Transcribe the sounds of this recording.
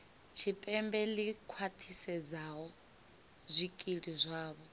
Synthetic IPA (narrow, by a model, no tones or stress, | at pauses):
t͡ʃʰipʼɛmbɛlikʰwat̪ʰisɛd͡zaɦɔ | zʷikʼiɺizʷaːβɔ